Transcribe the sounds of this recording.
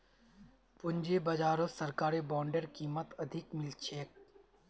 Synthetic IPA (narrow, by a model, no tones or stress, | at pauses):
pʊɲd͡ʒebɐd͡ʒaːɾosɐɾkaːɾibaːɳɖeɾkiːmət̪ɐd̪ʱɪkmɪlt͡ʃʰeːk̚